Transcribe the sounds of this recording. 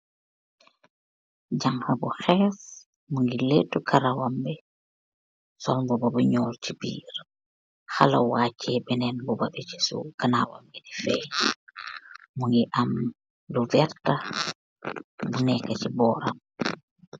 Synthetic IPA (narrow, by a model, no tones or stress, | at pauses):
ɟaŋhɐbuxɛːf | muŋɡileːtːukʰaɾawambɛ | sɔlbubɐbuɲɔːlt͡ʃibḭːɾ | xalawacʰːɛbɛnɛnbubabɛt͡ʃi̥sṵkanaːwa̰midifɛj | muŋɡiʔam | luvɛɾta | bunɛkacibɔːɾa̰m